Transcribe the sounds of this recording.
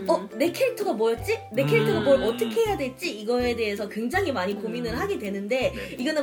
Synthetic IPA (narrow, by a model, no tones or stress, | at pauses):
ʌɾe̞kʰeɭtʰɯɡamwʌjʌt͡ɕ͈ine̞kʰeɭtʰɯɡamʌʌt͈ʌkʰe̞ɦejadwe̞ɭt͡ɕ͈iiɡʌe̞de̞ɦes̬ʰʌkwe̞ŋd͡ʑaŋɦimaɲikominɯɭɦaɡedwe̞nɯnde̞ | iɡʌnɯ